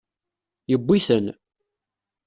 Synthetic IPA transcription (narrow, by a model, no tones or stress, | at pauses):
jəbʷːiθən